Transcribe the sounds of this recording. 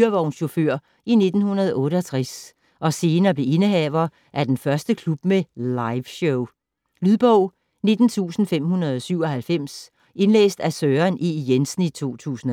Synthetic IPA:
ɐʋɒʊnɕo̝føɐ̰ | ine̝d̥n̩hunɐð̞ˠɒʔɔ̽ːɾəɒ̽t͡sʰʁas | ʔɒ̽se̝ːnɐːb̥le̝ʔe̝nəɦɛʊɐ | ʔæɐd̥enfɶɐsd̥əkʰlub̥̚melɑ̈ɪʋɕoʊ | lyðˠb̥ɔʊ̰ | ne̝d̥n̩t͡sʰṵːsn̩fem̰hunɐð̞ˠɒ̽syʊ̰ɒ̽hælfem̰s | ʔe̝nlḛːsd̥æsøːɐnʔijensn̩it͡sʰo̝̰ːt͡sʰṵːsn̩

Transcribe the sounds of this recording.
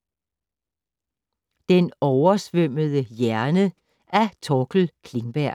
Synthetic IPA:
d̥enɒʊɐsʋøm̰əð̞ˠəjæɐnə | æɐt͡sʰɒkl̩kʰle̝ŋb̥æɐ̰

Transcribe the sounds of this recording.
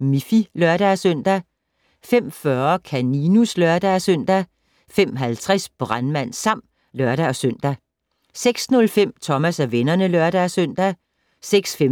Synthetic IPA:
mifilɶɐɾ̥æsœn̰d̥æ | fem̰fɶɐkʰæninuslœɐd̥æsøn̰d̥æ | fem̰ɦælt͡sʰʁɛsb̥ʁɑnmæn̰sɑ̈m̰d̥ | lɶɐɾ̥æɒ̽søn̰d̥æ | seɡ̥snɔ̽lfem̰t͡sʰɒ̽mæsæʋenɐnəlœɐɾ̥æsøn̰d̥æ | seɡ̥sfe

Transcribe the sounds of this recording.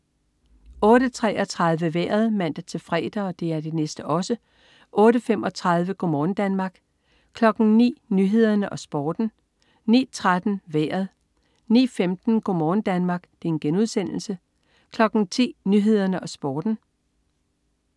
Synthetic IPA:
ɔ̽ːɾət͡sʰʁɛ̰ʔɒ̽t͡sʰʁɑ̈ð̞ˠʋəʋḛɐð̞̩ˠmæn̰d̥æt͡sʰe̝lfʁɛ̰ːd̥ɐ̽ːd̥e̝æɐd̥e̝nesd̥əʔɒ̽sə | ʔɔ̽ːɾəfem̰ɒ̽t͡sʰʁɑ̈ð̞ˠʋəɡ̥omɔːnd̥ænmɑ̈ːɡ̥ | kʰlɒ̽ɡ̥n̩nḭːnyːɦe̝ð̞̰ˠɐnəʔɒ̽sb̥ɒːd̥n̩ | nḭːt͡sʰʁad̥n̩ʋḛːɐðˠ | nḭːfemd̥n̩ɡ̥o̝mɒːnd̥ænmɑ̈ːɡ̥d̥e̝enɡ̥enuðˠsen̰l̩sə | kʰlɒ̽ɡ̥n̩t͡sʰḭːnyɦe̝ð̞̰ˠɐnəʔɒ̽sb̥ɒːd̥n̩

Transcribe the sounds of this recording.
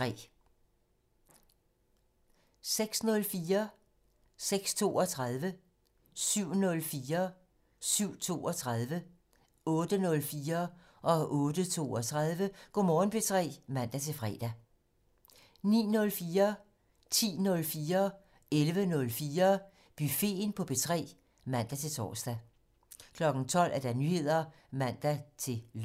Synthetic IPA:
ʁɛ̰ː | seɡ̥snɔ̽lfiːɐ | seɡ̥st͡sʰo̝̰ːɒ̽t͡sʰʁað̞ˠʋə | syʊ̰nɔ̽lfiːɐ | syʊ̰t͡sʰo̝̰ːɒ̽t͡sʰʁað̞ˠʋə | ɔ̽ːd̥ənɔ̽lfiːɐ | ʔɒ̽ʔɔ̽ːd̥ət͡sʰo̝̰ːɒt͡sʰʁað̞ˠʋəɡ̥omɒːn̩b̥e̝t͡sʰʁɛ̰ːmæn̰d̥æt͡sʰe̝fʁɛ̰ːd̥æ | nḭːnɔ̽lfiːɐ | t͡sʰḭːnɔ̽lfiːɐ | elʋənɔ̽lfiːɐ | b̥yfe̝̰npʰɒ̽b̥e̝t͡sʰʁɛ̰ː | mæn̰d̥æt͡sʰe̝t͡sʰɒ̰ːsd̥æ | kʰlɒ̽ɡ̥n̩t͡sʰɒ̽l̰ʔæɐd̥ænyhe̝ð̞̰ˠɐ | mæn̰d̥æt͡sʰe̝

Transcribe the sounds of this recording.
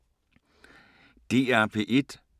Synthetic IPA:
d̥iapʰiʔit

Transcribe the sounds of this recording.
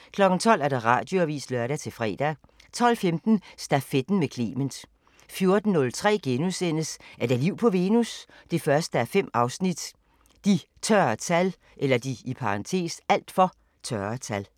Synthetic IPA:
kʰlɒ̽ɡ̥n̩t͡sʰɒ̽l̰æɐd̥ɑ̈ʁɑ̰̈ːd̥jo̝æʋḭːslœɐɾæt͡sʰe̝fʁɛ̰ːd̥æ | t͡sʰɒ̽l̰femd̥n̩sd̥æfed̥n̩mekʰlḛːmend̥ | fjo̝ɐd̥n̩ːɔ̽lt͡sʰʁɛ̰ːɡ̥enusen̰əsʔæɐd̥æɐliʊ̰pʰɒ̽ʋe̝ːnus | d̥e̝fɶɐsd̥əæɐfem̰ɑ̈ʊsnid̥ | d̥it͡sʰɶɐt͡sʰæl | ʔelɐd̥iipʰɑ̈ʁɑ̈nt͡sʰe̝̰ːsæl̰d̥fɒ̽ | t͡sʰɶɐt͡sʰæl

